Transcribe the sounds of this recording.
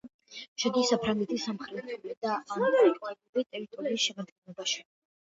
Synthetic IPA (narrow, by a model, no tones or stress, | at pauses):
ʃɛd̪isapʰɾaŋɡɛt̪ʰisːamχɾɛt̪ʰɛlɛd̪aʔːmavaɾik̪ʼanuɾit̪ʼɛɾit̪ʼɔɾiːsʃɛmad̪ɡɛnlˠɔbaʃi̥